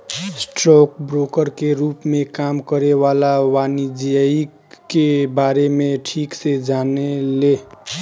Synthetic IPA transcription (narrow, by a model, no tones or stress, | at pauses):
sʈɾok̚bɾokəɾkeɾupmekamkəɾeβalawanid͡ʒijəi | kebaɾemeʈʰiksed͡ʒanele